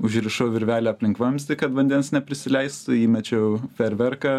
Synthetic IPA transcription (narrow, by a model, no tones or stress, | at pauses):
ʊʒʲɾʲɪʃoʊʋʲɪɾʲʋʲæːlʲoɐpʲlʲɪŋkʋɐmʲst̪ʲɪkɐt̪ʋɐnʲd̪ʲɛnsnʲɛpʲɾʲɪsʲɪlʲɛɪst̪ʊiːmʲɛt͡ʃʲɛpʲɛɾʲʋʲɛrkɐ